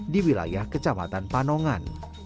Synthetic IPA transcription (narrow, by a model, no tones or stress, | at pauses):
diwila̰jahkət͡ʃama̰t̪anpanɔŋan